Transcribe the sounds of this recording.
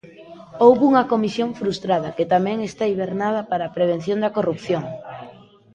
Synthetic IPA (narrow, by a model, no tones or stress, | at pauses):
owβuŋɐkomisjoŋfɾust̪ɾaðɐket̪amɛ̃ŋest̪aiβeɾnað̞ɐpaɾaːpɾeβ̞en̟θjõnd̪ɐkorup̚θjoŋ